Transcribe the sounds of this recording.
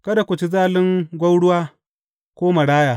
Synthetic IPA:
kɐ˦da˨kʷʊ˨t͡ʃi˦zaː˦lɪ˦ŋɡʷɐ˦wɽʊ˦waː˦ | kʷoː˦ma˨ɽaː˦jaː˨

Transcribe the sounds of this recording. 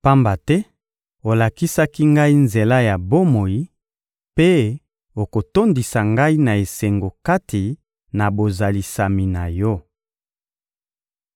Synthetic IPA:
pa˦mba˨tɛ˦ | o˨la˨ki˦sa˦ki˦ŋɡa˦i˦nze˨la˦ja˨bo˦mo˨ji˦ | pe˦ | o˨ko˨to˦ndi˨sa˨ŋɡa˦i˦na˨e˨se˨ŋɡo˨ka˦tʰi˨ | na˨bo˨za˨li˨sa˨mi˨na˨jɔ˦

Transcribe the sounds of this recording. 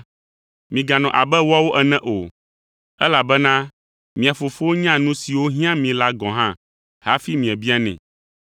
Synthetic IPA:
mĩ˨ɡa˨nɔ̃˨ʔa˨bɛ˦wa˦wo˦ʔɛ˨nɛ̃˦ʔo˨ | ɛ˦la˨bɛ˦nã˦ | mĩ˨a˨fo˨fo˦wo˦ɲã˦nũ˦si˨wo˦ɦĩ˦ã˦mĩ˨la˦ɡɔ̃˨ɦã˦ | ha˦fi˦mĩ˨ɛ̃˨bi˦a˦nɛ̰̃˨

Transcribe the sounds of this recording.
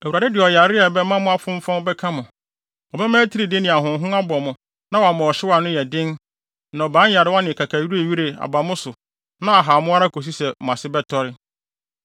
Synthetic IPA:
wu˨a˨dɪ˦dɪ˨ɔ˨ja˨ɾɪ˦ɛ˨bɛ˦mã˦mʊ̃˦a˦fʊ̃˦m˦fã˦bɛ˦kʰa˦mʊ̃˨ | ɔ˨bɛ˦mãː˦tʰi˦ɾi˨dɪ˦nɪ̃˨a˨ɦʊ̃˨˦ɦʊ̃˦a˦bɔ˨mʊ̃˨ | nã˦wa˨mã˨ɔ˨ɕɪ˦wa˨nʊ̃˦jɛ˨dɪ̃˦n | nã˨bãː˦a˨ɾɪ˨˦wa˦nɪ̃˨kʰa˨kʰa˨ɥi˦ɾu˦e˨ɥi˦ɾe˨a̰˨ba˨mʊ̃˦sʊ˨ | nã˦a˨ɦa˨mʊ̃˦a˦ɾa˦kʰo˨s̬i˦sɛ˨m̩˨ã˨sɪ˦bɛ˦tʰɔ˦ɾɪ˦

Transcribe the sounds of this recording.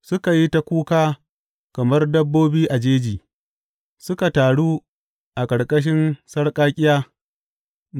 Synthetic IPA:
sʊ˦ka˨ji˦ta˦kʷuː˦kaː˦ | kɐ˨mɐ˦rdɐ˦bːoː˦biː˦ʔa˨d͡ʒeː˦d͡ʒiː˨ | sʊ˦ka˨taː˨ɽuː˦ | ʔa˨kʼɐ˨ɽkʼɐ˦ʃ̬ɪ˦nsɐ˦ɽkʼaː˦kʲʼɪ˦jaː˦

